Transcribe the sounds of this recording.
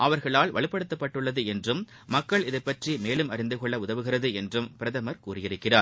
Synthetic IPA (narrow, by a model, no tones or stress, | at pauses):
ʔɐʋɐɾɣɐɭaːlʋɐ̰ɭɪpːɐɽɯt̪ːɐpːɐʈːɯɭːɐðɯɛndrɯmː | ɐkːɐɭɪðɐpːɐʈrimeːlɯmɐɾɪnd̪ɯkɔɭːɐʊðɐʋɯɣɪrɐðɯɛndrɯmpɪɾɐðɐmɐɾkuːrɪjɪɾɯkːɪraː